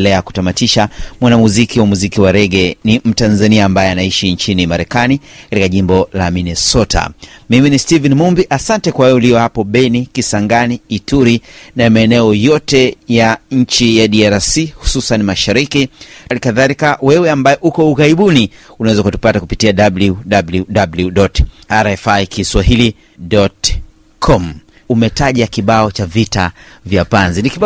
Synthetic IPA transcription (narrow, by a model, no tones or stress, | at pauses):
lɛaku̥tamatiʃamwanamuzikiwamuzikiwaɾɛɠɛnim̩tanzaniaːmbajɛanaiʃiɲt͡ʃinimaɾɛkanikatikaʄimbɔla̰minɛsɔta̰miministivɛnimumbiʔasantɛkwawɛuliɔhapɔɓɛnikisaŋɡaniːtuɾinamaɛnɛɔjɔtɛjaɲ̩t͡ʃijaɗiaɾasihu̥susanimaʃaɾikilikaðalikawɛwɛambajɛʔukɔuɣaiɓuniunawɛzakutu̥patakupitiaɗabluɗabluɗabluɗɔtaɾɛfaikiswaɦili | ɗɔt | kʰɔm̩ | umɛtaʄakiɓaɔt͡ʃavita̰vjapanziniki